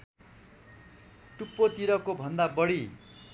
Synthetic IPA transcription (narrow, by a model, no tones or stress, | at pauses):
ʈupːot̪iɾʌkobʱʌnd̪abʌɽi